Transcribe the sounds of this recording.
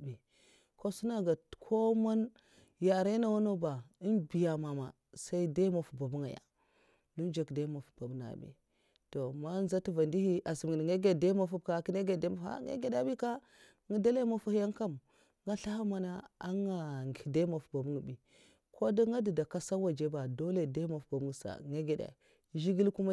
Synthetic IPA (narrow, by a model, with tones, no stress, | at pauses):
bi˨ | ko˦su˦na˨ɡa˨kʰo˦ma˦n | ja˨ɾe˦na˦wa˦no˦ba˨i˦nbi˨ja˨ma˨ma̰˨ | sa˦i˦da˦ma˨fu˨ba˨bu˦ŋa˨ja̰˨ | du˦d͡ʒa˨kda˦ma˨fu̥˨ba˨bna̰˨bḭ˨ | to˨ma˦n˦za˦ti˦va˨ndi˦hi˦ʔa˨si˨ŋe˦ɡe˨da˦ma˦fu˦b̚ka˨ki˦ne˦ɡe˨de˦ma˦a̰˦ŋḛ˦ɡe˨da˦bi˦ka˦ | ŋi˦da˦le˦ma˨fu˦hi˦ja˦ŋka˦˨m | ŋa˦ɬa˦ha˦ma˨na˦a˦ŋa˨ŋɡi˨da˦ma˨fu̥˨ba˨bu˦ŋ˨bi˨ | kʰo˦da˦ŋɡa˦di˨da˨ka˦sa˦wa˨d͡ʒe˦ba˨do˦le˨da˦ma˨fba˨bu˦ŋ˨sa̰˨ŋe˦ɡe˨da̰˨˦ | ʒi˦ɡi˦lku˦ma˦